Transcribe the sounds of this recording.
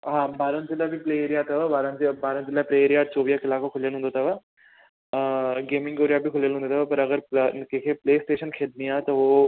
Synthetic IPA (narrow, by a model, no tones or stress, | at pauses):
ɦãːbʱaːɾənt̪ɪlabʱipleːeːɾijat̪ɐʋabaːɾənt̪baːɾə̃nt̪ɪlapɾeːeːɾijaːt͡ʃoːʋijakɪlaːkokʰʊljəlɦʊ̃nd̪ot̪ʰaʋa | ɡeːmɪ̃ŋɡoːɾijabʱikʰʊljəlʊ̃nd̪ot̪ʰːʋapɐɾɐɡəɾkekʰepleːsʈeːʃənkʰeːd̪̚nijaːt̪oʋoː